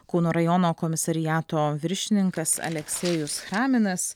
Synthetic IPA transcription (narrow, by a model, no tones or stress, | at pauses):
kɐʊnoːɾɐjɔnoːkɔmʲɪsɐɾʲɪjæːt̪oːʋʲɪɾʲʃʲɪnʲɪŋkɐsɐ̰lʲɛksʲɛjʊsxɾɑːmʲɪnɐs